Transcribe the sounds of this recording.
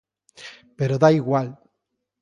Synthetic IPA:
peɾoðaiɣwal

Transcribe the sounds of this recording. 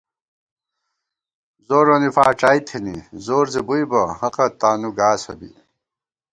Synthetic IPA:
zoːɾonifaːʈ͡ʂaːjt̪ʰenḭzoːɾzebujbɐhɐqɐt̪aːnuɡaːsɐ̰bḭ

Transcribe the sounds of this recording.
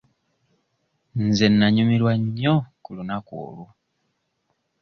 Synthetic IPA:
nzenːaɲumilwaɲokulunako̰ːlu

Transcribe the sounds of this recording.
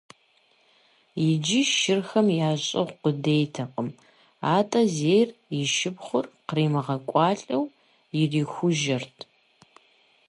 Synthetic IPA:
jɪd͡ʒɪʃɪrxɐmjaːɕʼɐ̰ʁqʷʊdejtʰɐqʼəm | aːtʼɐzeːjrjɪʃɪbχʷʊrqriːmɨʁɐkʷʼɑːɬʼɐw | jɪriːxʷʊʒɐrtʰ

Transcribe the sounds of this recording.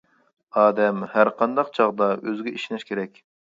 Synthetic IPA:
ɑːd̪ɛmhæɾqʰɑnd̪ɑqt͡ʃʰɑʁd̪ɑʔøzɪɡʲɛʔiʃinɪʃkʲʰeɾɛkʲ

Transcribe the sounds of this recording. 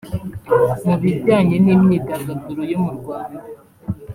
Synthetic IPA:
muβibɟaːɲenimɲiɡaɡazuɾojomuɾɡwaːnda

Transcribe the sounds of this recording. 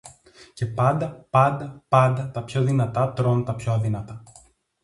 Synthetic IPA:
ce̞pɐnd̪ɐpɐnd̪ɐpɐnd̪ɐt̪ɐpço̞ðinɐt̪ɐt̪ɾo̞nt̪ɐpçoɐðinɐt̪ɐ

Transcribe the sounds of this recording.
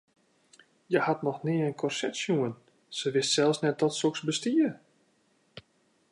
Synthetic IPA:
jəhatnɔxnɪənkʰɔrsɛtsjuən | səʋɪstsɛlˠfsnɛt̚dɔtsoksbəstiər

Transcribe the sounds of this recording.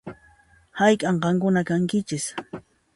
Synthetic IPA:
hajkʼɑɴɢɑŋkʊnakaŋkɪt͡ʃɪs

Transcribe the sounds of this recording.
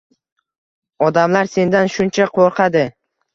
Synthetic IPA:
ɒd̪amlaɾse̞nd̪anʃʊnt͡ʃʰaqʰoɾqʰɑd̪ɪ

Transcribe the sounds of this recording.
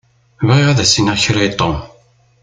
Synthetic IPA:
vʁiʁæðæsinæçɾajt̪ˤːom

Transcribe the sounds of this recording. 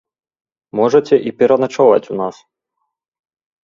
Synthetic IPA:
mɔʒɛtʲɛʔipʲiɾɔnat͡ʃɔʋɐ̰tʲunas

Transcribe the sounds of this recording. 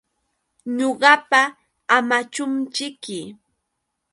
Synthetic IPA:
ɲoɢɑpa | amat͡ʃʊnt͡ʃɪkɪ

